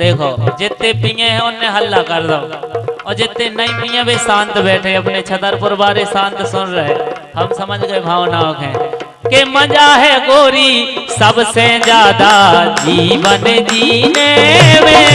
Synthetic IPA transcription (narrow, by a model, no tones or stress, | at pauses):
d̪eːkʰoːd͡ʒɪt̪ːẽpijẽɦɛ̃ʊnːẽɦəlːaːkəɾd̪aɔːɾd͡ʒɪt̪ːẽnəĩpijãːbesãːnt̪bɛːʈʰeəpnet͡ʃʰət̪əɾpʊɾbaːɾesãːnt̪sʊnɾəɦɛː | həmsəməd͡ʒɡəebʱaːʋnaːʋkɦɛ̃ː | kemə̃d͡ʒaːɦɛːkoːɾiːsəbsed͡ʒaːd̪aːd͡ʒiːʋənẽd͡ʒiːnemẽː